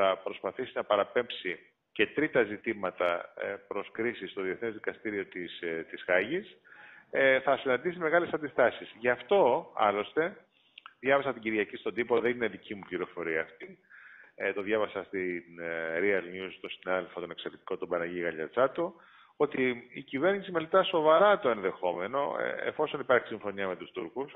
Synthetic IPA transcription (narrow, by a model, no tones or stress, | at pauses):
θɐpɾo̞spɐθisinɐpɐɾɐpe̞mpsi | ce̞t̪ɾit̪ɐzit̪imɐt̪ɐpɾo̞skɾisist̪o̞ðieθnezðikɐst̪iɾio̞t̪ist̪iz̥ɣɐʝis | θɐsinɐnd̪isime̞ɣɐle̞sɐnd̪ist̪ɐsizʝɐft̪o̞ɐ̰lo̞st̪e̞ | ðʝɐvesɐt̪iɟiɾʝɐcist̪od̪ipo̞ðe̞nineðicimupliɾo̞fo̞ɾiɐːft̪i | t̪o̞ðʝɐvɐsɐst̪inɾiɐlnust̪o̞sinɐðelfot̪one̞kseɾet̪i̥ko̞t̪obɐnɐʝiɣɐʎɐɾt͡sɐt̪o | o̞t̪iicive̞ɾnisimelet̪ɐso̞vɐɾɐt̪oe̞nðe̞xo̞me̞no̞̰ḛfo̞so̞nipɐɾçi̥siɱfo̞niɐme̞t̪ust̪uɾkus